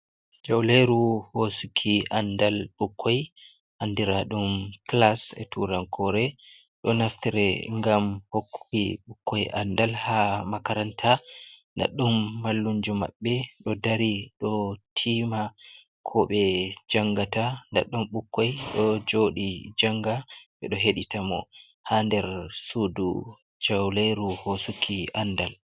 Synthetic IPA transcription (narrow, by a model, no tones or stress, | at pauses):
d͡ʒawleɾuhosukʰiʔandalɓukʰːɔj | ʔandiɾaɗumklasɛ̰tuɾankʰɔɾɛ | ɗɔnaftiɾɛŋɡamhokʰːiɓukʰːɔjʔa̰ndalhamakaɾantʰanda̰ɗːumːalːuɲd͡ʒuma̰ɓːɛɗɔdaɾiɗɔtʰima | kʰɔɓɛd͡ʒaŋɡatanda̰ɗːumɓukːɔjɗɔd͡ʒoɗid͡ʒaŋɡaɓɛɗɔɦeɗitamɔ̰ | handɛɾsudṵ | d͡ʒawlejɾuhosukʰiandal